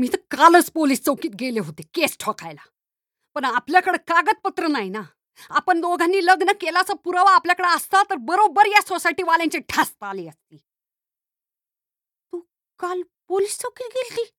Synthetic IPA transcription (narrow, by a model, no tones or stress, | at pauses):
miːt̪əkalət͡spoliːst͡səwkiːt̪ɡeleɦot̪ekesʈʰɔka̰jla | pəɳapljakəɽekaɡət̪̚pət̪ɾənajina | apəɳloɡʱãnːiːləɡnəkelat͡sapuɾaʋaːpljakəɽeəst̪at̪əɾbəɾobəɾjasosajʈiːʋaljãɲt͡ɕeʈʰast̪aliːəst̪iː | t̪uː | kal | poliːst͡səwkiːt̪̚ɡelt̪iː